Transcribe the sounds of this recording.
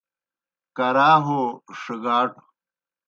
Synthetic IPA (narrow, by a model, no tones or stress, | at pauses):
kɐɾaːɦoʂiɡaːʈ